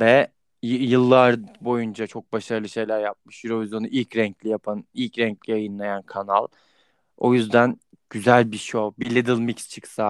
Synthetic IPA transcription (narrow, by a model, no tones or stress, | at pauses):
vɛ | jɯlˠːaɾbo̞jund͡ʒat͡ʃʰo̞k̚baʃaɾɯlˠɯʃe̞jlʲæɾjap̚mɯʃjyɾo̞vizjo̞nuʔilʲcɾɛɲclʲijapʰanilʲcɾɛɲclʲijajɯnlˠajankʰanalˠ | o̞̰jyzd̪æn | ɟ̥yzælʲbiʃobilʲːed̪ilˠmicst͡ʃʰɯksa